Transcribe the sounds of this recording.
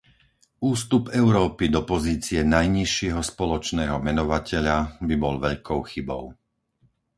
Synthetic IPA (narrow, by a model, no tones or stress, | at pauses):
uːst̪upɛʊɾɔːpid̪ɔpɔziːt͡siɛnajɲiʃɪɛɦɔspɔlɔt͡ʃnɛːɦɔmɛnɔʋacɛʎabibɔlʋɛʎkʰɔʊxibɔ̰ʊ